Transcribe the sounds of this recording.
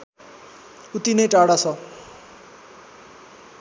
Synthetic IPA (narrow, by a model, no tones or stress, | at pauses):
ut̪inʌjʈaɽat͡sʰʌ